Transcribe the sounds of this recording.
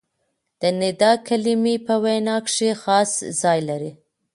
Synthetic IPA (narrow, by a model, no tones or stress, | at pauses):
d̪̥ənɪd̪ɑkalimipəwajnɑkʂexɑszɑjlaɾi